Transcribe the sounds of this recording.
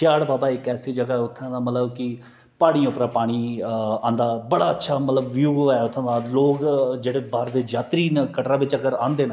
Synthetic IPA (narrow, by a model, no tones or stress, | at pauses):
ɪjaːɽbaːbaːɪkɛːsiːd͡ʒəɡaːɛːʊt̪ʰːãːd̪aːmət̪ləbkɪ | paːɽ̃ĩãʊpɾaːpaːɽ̃iːãːnd̪aːbəɽaːətːʃʰaːmət̪ləbʋjuːɛːʊt̪ʰːãːnd̪aːloːkd͡ʒeːɽeːbaːɾd̪eːd͡ʒaːt̪ɾiːnkəʈɾaːʋɪt͡ʃəɡəɾãːnd̪eːnaː